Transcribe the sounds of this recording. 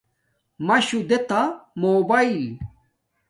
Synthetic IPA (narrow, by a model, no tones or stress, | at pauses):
mɐɕud̪et̪amoːbɐil